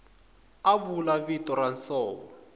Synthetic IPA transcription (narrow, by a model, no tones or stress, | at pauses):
aβulaβitɔransɔːβɔ